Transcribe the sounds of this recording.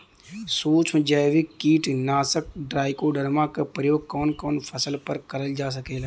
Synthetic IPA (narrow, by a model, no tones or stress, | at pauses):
soːt͡ʃʰd͡ʒaːʋikiːʈnaːsək̚ɖɾaːɪkoɖəɾmãkepɾəjoːɡ̚kɔːnkɔːnpʰəsəlpəɾkəɾəld͡ʒaːs̬əkeːlː